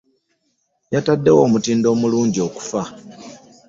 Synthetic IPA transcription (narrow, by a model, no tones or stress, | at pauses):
jatadːe̞wo̞ːmutiːndo̞ːmuluːɲɟio̞ku̥fa